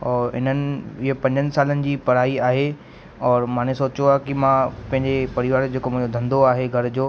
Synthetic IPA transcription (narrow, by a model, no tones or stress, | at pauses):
ɔːɪ̰n̤ənɪ̆ɪɦopɐ̃ɲd͡ʑənɪ̆saːlənɪ̆d͡ʑiːpɐɾ̤aːiaːɦe | ɔːɾmãːnesoːt͡ɕjoaːɦkɪmãpɐ̃ɦɪ̃ɲd͡ʑepɐɾɪʋaːɾd͡ʑeːkomʊ̃ɦɪ̃ɲd͡ʑod̪ʱɐ̃nd̪oaːɦeɡʱɐɾd͡ʑoː